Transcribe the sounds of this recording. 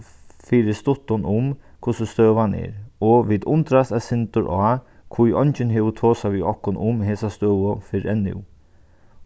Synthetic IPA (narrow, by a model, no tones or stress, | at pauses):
fɪːɾɪst̪ʊht̪ʊnʔʊmkʰʊsʊst̪œːʋanɛ̰ɾɔʋiːd̪ʊnt̪ɾast̪asɪnt̪ʊɾʔɔː | kʰvujɔɲt͡ʃɪnɦɛːʋət̪ʰoːsaʋiɔhkʊnʔʊmɦɛːsast̪œːʋʊfɪɾɛnːɪ̰w